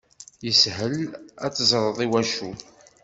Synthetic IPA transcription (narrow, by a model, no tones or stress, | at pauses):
jəshəlæ̰t͡sːzˤɾˤəðˤiwæʃu